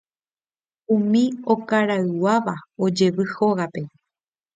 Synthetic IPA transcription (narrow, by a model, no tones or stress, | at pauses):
ũmĩo̞kaɾaɨwaʋao̞d͡ʒe̞ʋɨhoɣape̞